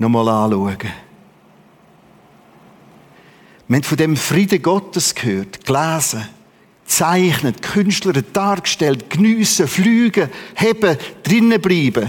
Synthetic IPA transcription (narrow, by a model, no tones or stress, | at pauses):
nɔmɔlaːluəɡ̥ə | məhɛntfʊdɛmfriːdəɡɔtəskʰhøːtɡ̥laːzə | t͡saɪχnətkʰʏnʃtləɾəd̥aːrkʃtɛltknyːsəflyːɡəhɛbəd̥rɪnəbliːbə